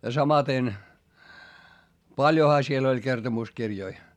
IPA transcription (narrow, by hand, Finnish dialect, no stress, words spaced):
jɑ sɑmɑten pɑljohɑ siel olʲ kertomuskirjoi